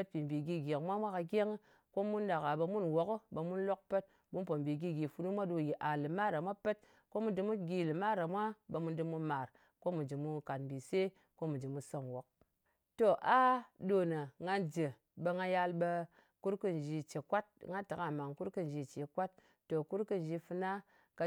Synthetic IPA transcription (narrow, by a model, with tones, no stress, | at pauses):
pə˦t̚pi˨m̩˨bi˨ɡi˧ɡʲe˨kmʷa˦mʷa˦ka˧ɡʲe˦ŋ˦ | ko˦mu˦nda˨ka˨ɓə˧mu˦nwo˨kɨ˦bə˧mu˦nlo˦k̚pə˦t̚ | bu˦npo˨m˨bi˨ɡi˧ɡʲi˨fu˧nu˦mʷa˦do˧ji˨ʔa˨lɨ˨ma˦ɾa˨mʷa˦pə˦t̚ | ko˦mu˦dɨ˧mu˦ɡʲi˧lɨ˨ma˦ɾa˨mʷa˦bə˧mu˦ndɨ˧mu˧ma˨ɾ | ko˦mu˨d͡ʒɨ˨mu˧ka˨tm˨bi˨se˦ | ko˦mu˨d͡ʒi˨mu˦so˦nwo˨˦k̚ | to˦˨ʔa˦do˨nə˨ŋa˧nd͡ʒe˨ | bə˧ŋa˧ja˧lɓə˧ | ku˦ɾkɨ˦n˨d͡ʒi˧t͡ʃe˨kʷa˦t̚ŋa˦ta˨ka˦˨ma˨ŋku˦ɾkɨ˦˨n˨d͡ʒi˧t͡ʃe˨˦kwa˦tː | o˨ku˦ɾkɨ˦n˨d͡ʒi˧fɨ˧na˦ | ka˧